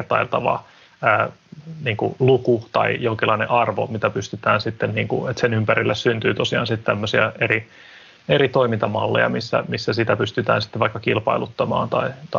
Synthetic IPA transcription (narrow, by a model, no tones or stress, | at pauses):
rt̪ɑilt̪ɑʋɑ̰ | æːniːŋkṵlukut̪ɑ̰ijoŋkilːɑinḛ̃ʔɑrʋo̰mit̪æpyst̪yt̪æːnsit̪ːenniːŋkṵet̪senympæɾilːæssynt̪yːt̪osiɑ̰ːnsit̪t̪æmːøsiɑeri | eɾit̪oimint̪ɑmɑ̰lːḛjɑ̰misːæ̰misːæsit̪æpyst̪yt̪æ̰ːnsi̥t̪ːeʋɑikːɑkilpɑilut̪ːɑmɑ̰ːnt̪ɑit̪